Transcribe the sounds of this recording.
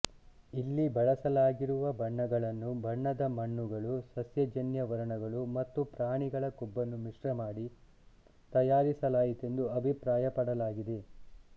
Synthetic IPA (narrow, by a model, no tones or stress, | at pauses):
ilːibɐɭɐsɐlaːɡiɾuʋɐbʱɐɳːɐɡɐɭɐnːubʱɐɳːɐd̪ɐmɐɳːuɡɐɭusɐsjɐd͡ʒɐnjɐʋɐɾɐɳɐɡɐɭumɐt̪ːupɾaːɳiɡɐɭɐkubːɐnːumiʂɾɐmaːɽi | t̪ɐjaːɾisɐlaːjit̪e̞nd̪uɐbʱipɾaːjɐpɐɽɐlaːɡid̪e